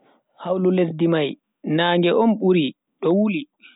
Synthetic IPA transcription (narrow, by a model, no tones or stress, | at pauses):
hawlulesdimaj | naːŋɡɛʔɔnɓuɾi | ɗɔwuli